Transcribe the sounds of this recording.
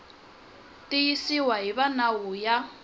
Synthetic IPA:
tʼijisiwaɦiβanawuja

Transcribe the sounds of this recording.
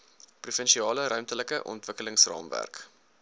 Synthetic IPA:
prufɛnʃiɑːləɾœɥmtələkəʔɔ̰ntvəkələŋsrɑ̰ːmvæ̰rk

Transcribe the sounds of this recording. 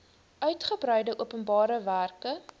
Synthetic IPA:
ʔœɥtχəbrœjdəʔuəpənbɑːɾəværkə

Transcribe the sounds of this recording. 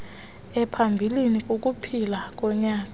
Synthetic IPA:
ɛpʰambʱilinik̬ʼok̬ʼupʰilak̬ʼɔɲaːk̬ʼa

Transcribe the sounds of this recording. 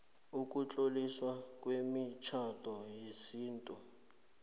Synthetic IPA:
uk̬ʼut͡ɬʼoliswakʼwemit͡ʃʰatʼɔjesiːntʼu

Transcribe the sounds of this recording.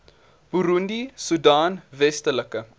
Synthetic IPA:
b̥uɾundisudɑːnvɛstələkə

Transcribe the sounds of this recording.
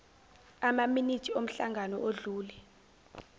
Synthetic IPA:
amaminitʰiom̩ɬaŋɡʱanɔʔoɮuːlɛ

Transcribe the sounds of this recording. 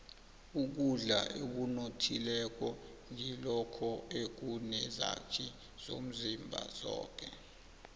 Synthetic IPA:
uk̬uɮa̰ʔek̬unotʰilɛk̬ɔ | ŋilɔkʰɔek̬unɛza̰t͡ʃʰi | z̥o̰m̩zimbʱa̰z̥ɔ̰ːk̬ʼɛ

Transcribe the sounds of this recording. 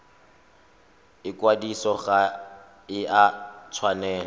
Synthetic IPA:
ɪkwadisɔɣa | ɪʔat͡sʰwanɛːn

